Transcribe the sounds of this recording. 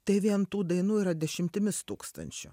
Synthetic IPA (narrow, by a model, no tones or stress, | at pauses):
t̪ɐɪʋʲiɛnt̪uːd̪ɐɪnuːiːɾɐd̪ʲɛʃʲɪmʲt̪ʲɪmʲɪst̪uːkst̪ɐ̰nʲt͡ʃʲʊ̰